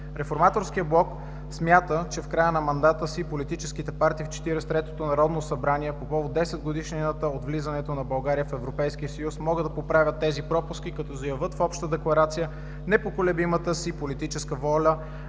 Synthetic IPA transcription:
ɾɛfoɾmat̪oɾskijəblˠɔk | smjat̪ət͡ʃɛfkɾajənɐmɐnd̪at̪əsipolit̪it͡ʃɛskit̪ɛpaɾt̪iːft͡ʃɛ̥t̪iɾɛst̪ɾɛt̪o̥t̪onɐɾɔd̪nosɐbɾaniɛpopɔvod̪ɛsɛd̪ɡod̪iʃnt̪əot̪vlizɐnɛt̪onɐbɐlˠɡaɾijəfɛvɾopɛjsk̟iəsɐjusmɔɡəd̪ɐpopɾavʲjət̪ːɛzipɾɔpʊskikɐt̪ɔzɐjɐvɤt̪fɔpʃt̪əd̪ɛklˠɐɾat̪sijə | nɛpokolɛbimət̪əsipolit̪it͡ʃɛskəvɔlʲə

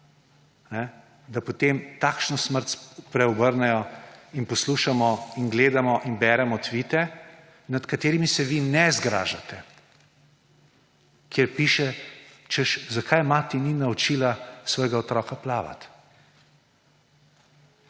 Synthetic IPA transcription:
nɛ | d̪apot̪emt̪aːkʃnɔsməɾt̪pɾɛɔbəɾnɛjɔinpɔsluʃamɔinɡleːd̪amɔʔinbɛːɾɛmɔt̪ʋit̪ɛ | nat̪kat̪eːɾimisɛʋinɛzɡɾa̰ːʒat̪ɛ | kjeɾpiːʃɛ | t͡ʃɛʃzakʰajmaːt̪ɛninaɔt͡ʃiːlasʋɔjɡaɔt̪ɾɔːkaplaːʋa̰t̪

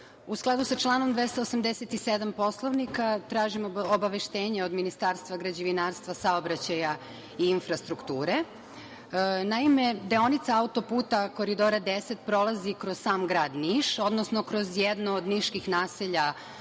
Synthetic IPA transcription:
usklˠad̪usat͡ʃlˠaːnomd̪ʋest̪aosamd̪eset̪ised̪ampo̞slˠoʋnikat̪ɾaːʒimobaʋe̞ʃt̪eːɲeo̞d̪minist̪aːɾst̪ʋaɡɾad͡ʑiʋinaːɾst̪ʋasaobɾat͡ɕaja | iːnfɾast̪ɾukt̪uːɾe | naime̞d̪eo̞nit̪saaut̪o̞puːt̪ako̞ɾid̪o̞ɾad̪eset̪̚pɾo̞lˠazikɾozsaːmɡɾaːd̪niːʃo̞d̪nosnokɾo̞zjed̪nood̪niʃkixnaːseʎa

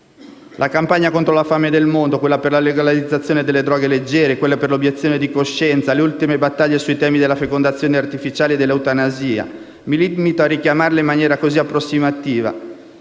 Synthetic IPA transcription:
lʔakampaɲːakont̪ɾolafamed̪elmond̪okwelːaperlaleɡalalid̪zːat̪sːjoːned̪elːed̪ɾɔːɡeled͡ʒːɛːɾekwelːaperlobjet̪sːjoned̪ikoʃːɛnt̪saleult̪imebat̪ːaʎːesuit̪ɛːmid̪elːafekond̪at̪sːjoːneart̪ifit͡ʃaːled̪elːawt̪anaziːa̰ | milidmit̪oarːikjamarleimːanjɛːɾakoziapːɾosːimat̪iːva̰

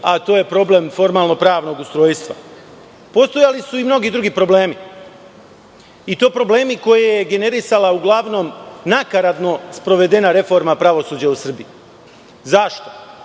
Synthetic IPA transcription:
at̪o̞ːje̞pɾo̞ble̞mfo̞ɾmaːlno̞pɾaːʋno̞ɡust̪ɾo̞ːjst̪ʋa̰ | po̞st̪ojalisuimno̞ɡid̪ɾuɡipɾo̞ble̞ːmi | it̪o̞ːpɾo̞ble̞ːmiko̞jejeɡe̞ne̞ɾisalauɡlˠaʋno̞mnakaɾat̪no̞spɾo̞ʋe̞d̪e̞naɾe̞fo̞ɾmapɾaʋo̞suːd͡ʑausr̩biji | zaʃt̪o̞̥

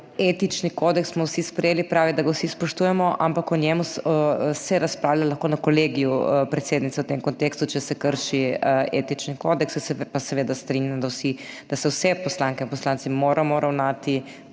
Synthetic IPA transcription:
eːt̪it͡ʃnikoːd̪ɛkssmɔwsispɾɛjeːlipɾaːʋid̪aɡawsispɔʃt̪uːjɛmɔʔa̰mpakɔnjɛmussɛɾaspɾaːwlalɐxkoːnakoleːɡijupɾɛt̪seːd̪nit̪sɛwt̪emkont̪eːkst̪ut͡ʃɛsɛkəɾʃiḛːt̪it͡ʃnikod̪ɛkssɛpasɛʋeːd̪ast̪ɾinjamd̪awsid̪̥asɛwsɛpɔslaŋkɛinpɔslaːnt̪simoːɾʔamɔɾʔawnaːt̪i

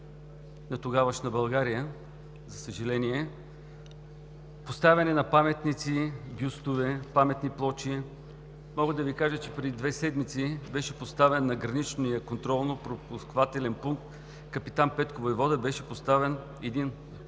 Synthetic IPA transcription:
nɐt̪oɡavɐʃnɐbɐlˠɡaɾijə | zɐsəʒɛlɛniɛ | post̪avʲɐnɛnɐpamɛt̪nit̪sibʲjust̪ʊvɛpamɛt̪niplˠɔt͡ʃi | mɔɡəd̪ɐvikaʒət͡ʃɛ̥pɾɛd̪id̪vɛsɛd̪mit̪sibɛʃɛpost̪avɛnːɐɡɾɐnit͡ʃnijəkont̪ɾɔlˠnopɾopuskvat̪ɛlɛnpuŋk̚t̪ | kɐpit̪anpɛt̪kovojvɔd̪ɐbɛʃɛpost̪avɛn | ɛd̪in

